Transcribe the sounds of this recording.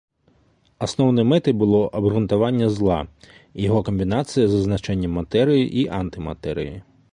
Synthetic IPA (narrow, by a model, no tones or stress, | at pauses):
ɐsnɔwnɛmɛt̪ɪbʊlˠɔʔɐbrʊnt̪ɐʋɑnʲːɐzlˠɑ | jɔɦɔkɔmʲbʲinɑsʲɨjɐzɐznɐt͡ʃɛnʲːɐmːɐt̪ɛɾɪjiʔiʔant̪ɪmɐ̰t̪ɛɾʲɪ̰ji